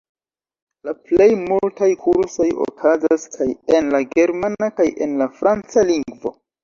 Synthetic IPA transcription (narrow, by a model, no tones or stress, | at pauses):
laple̞jmultajkʰuɾso̞jo̞̰kʰazaskʰaje̞nlaɡe̞ɾmanakaje̞̰nlafɾʔant͡saliŋɡvo̞̰